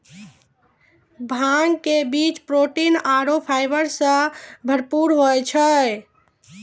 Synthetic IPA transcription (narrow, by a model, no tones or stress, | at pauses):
bʱaŋɡkebit͡ʃpɾoʈinaɾopʰajbəɾsə̃bʱəɾpuɾɦot͡ʃʰə